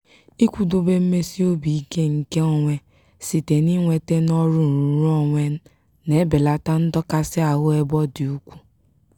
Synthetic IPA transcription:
i˦kʷu˨do˨be˦m̩˦me˦si˦o˦bi˨i˦ke˦ŋ̩˨ke˦o˦ŋʷe˦ | si˨te˨ni˦ŋʷe˨te˦nɔ˦ɾʊ˦n̩˨ɾu˨ɾu˦ɔ˨ŋʷe˦n̩˦ | ne˨˦be˨la˨ta˦n̩˦dɔ˦ka˦sɪ˦a˨ɣʊ˦e˦bɔ˦di˨u˦kʷu̥˦

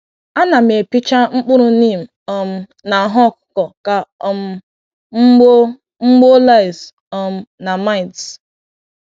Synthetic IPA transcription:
a˦na˨me˨pi˦t͡ʃa˦ŋ͡m̩˦k͡pʊ˦ɾʊ˨ni˦˨m̩˨ɔ˨m̩˨ | na˨ɦɔ˦˨kʊ̥˨kɔ˨ka˨m˦ | ŋ͡m̩˦ɡ͡bo˦la˦ɪ˨s | ɔ˨m̩˦na˨ma˦ɪ˨ts

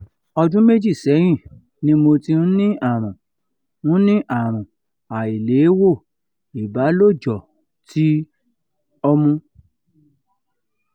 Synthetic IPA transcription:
ɔ˧dũ˦me˦d͡ʒi˦˨sɛ˨˦j̃ĩ˦˨ | nĩ˦mo˧ti˧ñ̩˦nĩ˦ʔa˦˨ɾ̃ɔ̃˨ | nũ˦nĩ˦ʔa˦˨ɾ̃ɔ̃˨ | a˨i˨le˨˦wo˦˨ | i˨ba˨˦lo˦˨d͡ʒɔ˨ | tʰi˦ | ɔ˧mũ˧

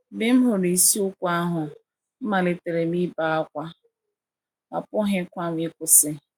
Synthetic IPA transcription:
bɪ˦m̩˦ɦo˨ɾi˨si˦ʊ˦kʷa˦ɦʊ˨ | m̩˦ma˨lɪ˨te˨ɾe˨mi˦ba˨a˦kʷa˦ | a̰˨pʊ˦ɦɪ˦kʷa˦m˦ɪ˦kʷʊ˨sɪ˦

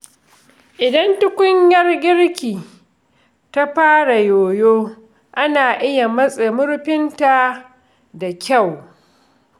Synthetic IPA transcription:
ʔɪ˨dɐ˦ntʊ˦kʷʊ˦ɲjɐ˦rɡʲɪ˦ɽkʲiː˨ | ta˦ɸaː˦ɽa˨joː˨joː˦ | ʔa˦naː˨ʔɪ˦ja˨mɐ˦sʼe˨mʊ˦ɾɸɪ˦nta˨ | da˨kʲa˦˨w

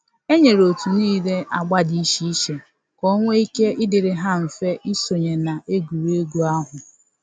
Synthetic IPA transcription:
e˦ɲe˨ɾo˨tu˨niː˦le˦ʔa˨ɡ͡ba˦di˦i˦ʃi˦ʃe˨ | ko˦ŋʷe˦i˦ke˦ʔɪ˦dɪ˨ɾɪ˨ɦa˦m̩˨fe˦ʔi˦so˨ɲe˨na˨ʔe˦ɡu˨ɾe˦ɡu˦a˦ɦʊ˨

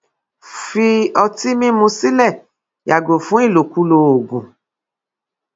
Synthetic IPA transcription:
fi˧ɔ˧ti˦mĩ˦mũ˧si˦lɛ˦˨ | ja˨ɡo˨fũ˦i˦˨lo˨ku˦lo˧o˨ɡũ˨

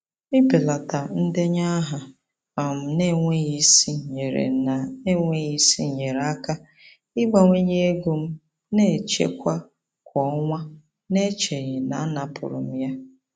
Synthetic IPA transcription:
ɪ˦pe˨la˨ta˨n̩˦dɪ˦ɲa˦ɦa˨ | ɔ˨m̩˨ne˦ŋʷe˦ɣi˦si˦˨ɲe˨ɾḛ˨na˨e˦ŋʷe˦ɣi˦sḭ˦˨ɲe˨ɾa˦ka˦ | ɪ˦ba˦ŋʷe˦ɲe˦e˦ɡo˦m̩˦ | ne˦˨t͡ʃḛ˦kʷa˦ | kʷʰɔ˦ŋʷa˦ | ne˦t͡ʃe˨ɣɪ˨na˨˦na˨pʰʊ̰˨ɾʊ̰˨m̩˦ja˦

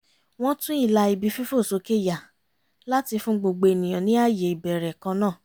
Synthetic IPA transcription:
w̃ɔ̃˦tũ˦i˦˨la˧i˧bi˧˦fi˦fo˦˨so˧˦ke˦˨ja˨ | la˦ti˧fũ˦ɡ͡bo˧ɡ͡be˧e˨nĩ˨j̃ã˨nĩ˦a˦˨je˨i˨bɛ˨ɾɛ˨kã˧nãː˦˨

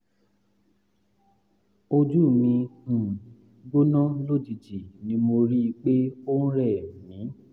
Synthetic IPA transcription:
o˧d͡ʒu˦˨mĩ˧hũ˨ | ɡo˦nɔ̃˦lo˦˨d͡ʒi˨d͡ʒi˨nĩ˨˦mo˧ɾi˦i˧k͡pe˦o˦n̩˦ɾɛ˦˨mĩ˨˦

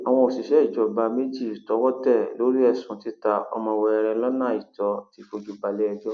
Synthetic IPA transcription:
a˨w̃ɔ̃˧o˨si˨ʃɛ˦i˦˨d͡ʒɔ˨ba˨˧me˦d͡ʒi˦˨i˨tɔ˨˦wɔ˦tɛ˦˨lo˨˦ɾi˦ɛ˦˨sũ˨˦ti˦ta˧ɔ̰˧mɔ̃˧wɔ˧ɛ˧ɾɛ̃˧lɔ˦nã˦˨i˨tɔ˨˦ti˨˦fo˧d͡ʒu˧ba˧lɛ˦ɛ˧d͡ʒɔ˦

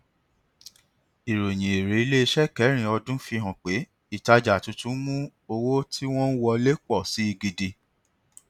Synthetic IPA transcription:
i˨ɾo˨j̃ĩ˨e˨ɾe˨˦i˧le˦˧ʃɛ˦kɛ˨˦ɾ̃ĩ˧˨ɔ˧dũ˦fi˧ɦɔ̃˨k͡pe˨˦ | i˦˨ta˧d͡ʒa˨tũ˧˦tũ˦mũ˦o˧wo˦ti˦w̃ɔ̃˦n̩˦wɔ˧le˦k͡pɔ˦˨si˨˦i˧ɡi˧di˧

